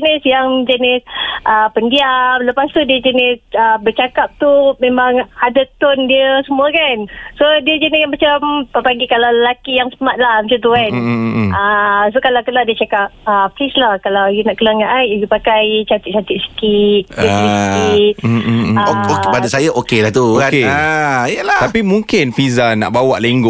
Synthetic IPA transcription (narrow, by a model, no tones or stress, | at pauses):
nisjaŋd͡ʒənɪsʔəpəndialəpast̪udiəd͡ʒənɪsəbət͡ʃakap̚t̪umẽmaŋadat̪ʊndiəsəmũəkansodiəd͡ʒənisanmat͡ʃampəpaɡikalawləlakijaŋsəmat̪̚lahmət͡ʃant̪̬ukanəsokalawkəladiət͡ʃakap̚əplislahkalawjunaʔkəlaŋaʔajjupakajt͡ʃat̪ɪt̪̚t͡ʃat̪it̪̚sə̥kit̪̚ | i | opadasajaʔokelaht̪ukeaijəlat̪apimuŋkɪnfizana̰ʔbawaʔleŋɡʊʔ